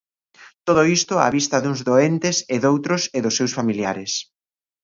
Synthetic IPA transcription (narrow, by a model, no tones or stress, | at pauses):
t̪oðʊist̪ʊa̰βist̪ɐðuŋzðoent̪ɪsɪðowt̪ɾʊseðʊsːewsfamiljaɾɪs